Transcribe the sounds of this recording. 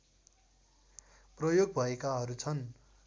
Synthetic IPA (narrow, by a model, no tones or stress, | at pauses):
prʌjoɡ̚bʱʌekaɦʌɾut͡sʰʌn